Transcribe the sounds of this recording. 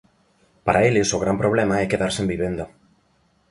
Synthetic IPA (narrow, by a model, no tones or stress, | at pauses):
paɾaelɪsoɣ̞ɾampɾoβ̞lemaɛkeðaɾsembiβend̪o